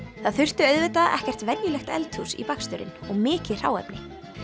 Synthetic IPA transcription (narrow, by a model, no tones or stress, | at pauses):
θaðθʏr̥t̪ʏœðvɪt̪aʔɛ̰hcɛr̥t̪vɛnjʏlɛxt̪ɛ̰lt̪husḭpakst̪ʏɾɪ̰nɔɣmɪːcɪr̥a̰ːwɛ̰pnɪ